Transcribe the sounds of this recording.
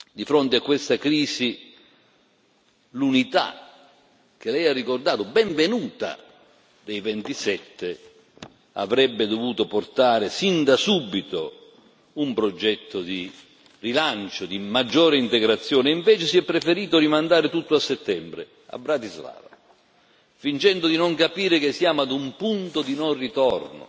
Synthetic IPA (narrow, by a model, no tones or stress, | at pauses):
d̪ifɾont̪eakːwest̪akɾiːsi | lunit̪a̰ | k̟elɛjarːikord̪aːt̪obɛɱvenuːt̪a̰ | d̪ejvent̪isɛt̪ʰːe | a̰vɾɛbːɪd̪ovuːt̪oport̪aːɾɪsind̪asubːit̪o | umpɾod͡ʒɛt̪ːod̪i | rilant͡ʃod̪imad͡ʒːɔːɾeint̪eɡɾat̪sːjɔːneiɱvɛːt͡ʃɪsiɛpːɾefeɾiːt̪oɾimand̪aːɾɪt̪ut̪ːoasːet̪ːɛmbɾḛ | a̰bɾat̪izla̰ːva | fint͡ʃɛnd̪od̪inoŋkapiːɾɪk̟ɪsːjaːmoad̪umpunt̪od̪inorit̪ɔrno̰